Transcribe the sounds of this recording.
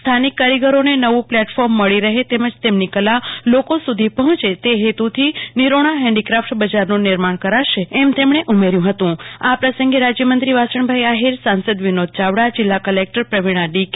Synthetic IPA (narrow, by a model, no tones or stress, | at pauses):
st̪ʰanikːaɾiɡəɾonenəʋũplɛʈfɔɾmːəɭiɾəɦet̪eməd͡ʒt̪emnikəlalokosud̪ʱipəɦɔ̃t͡ʃet̪eɦet̪ut̪ʰiniɾoɽ̃aɦɛ̃ɳɖikɾafʈbəd͡ʒaɾnonɪɾmaɳ̃kəɾaʃeːmt̪emɳ̃eʔumeɾjũɦət̪ũapɾəsəŋɡeɾad͡ʒjəmənt̪ɾiʋasəɳbʱajaɦiɾsãnsəd̪ʋinod̪̚t͡ʃaʋɽad͡ʒɪlːakəlek̚ʈəɾpɾəʋiɽ̃aɖik